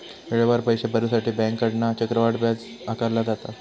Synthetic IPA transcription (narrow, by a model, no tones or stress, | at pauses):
ʋeɭebaɾpəjɕebəɾusaʈiːbɛ̃ŋkːəɽnat͡ɕəkɾəʋaʈbjad͡z | akəɾlad͡zat̪a